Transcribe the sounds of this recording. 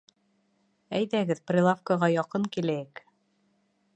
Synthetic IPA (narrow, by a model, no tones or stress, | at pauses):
æjðæɡɘðprʲɪlˠafkaʁɑjɑqɤŋkilæjɘk